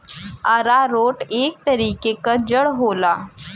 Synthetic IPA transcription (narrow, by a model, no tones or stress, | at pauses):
aɾaɾoʈek̚t̪əɾiːkekad͡ʑəɽɦola